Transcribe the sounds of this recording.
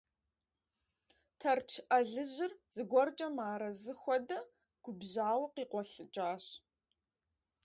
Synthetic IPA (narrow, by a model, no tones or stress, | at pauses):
tʰɐrt͡ʃʰʔɐɮɨʑɪrz̥ɨɡʷɔrt͡ʃʼɐmaːɾɐzɨxʷɔdɐ | ɡ̥ʷʊbʑaːwɐqiːqʷɔɬɨt͡ʃʼaːɕ